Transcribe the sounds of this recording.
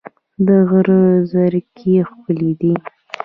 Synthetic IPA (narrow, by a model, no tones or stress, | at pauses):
d̪əɣəɾəzaɾkʰexpəled̪i